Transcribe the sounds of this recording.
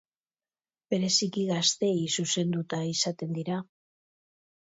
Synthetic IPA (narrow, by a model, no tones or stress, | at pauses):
be̞ɾe̞sikiɣast̪e̞jsuse̞nd̪ut̪aisat̪e̞nd̪iɾa